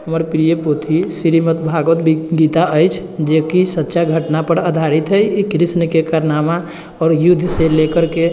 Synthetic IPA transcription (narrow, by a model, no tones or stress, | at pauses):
ɦəməɾpɾijəpot̪ʰisiɾimət̪bʱaɡʋət̪bɡit̪aʔəjt͡ʃʰ | d͡ʒekisətːʃaɡʱəʈnapəɽəd̪ʱaɾit̪ɦəjikɾisnəkekaɾnama | ɔːɾjud̪ʱselekəɾke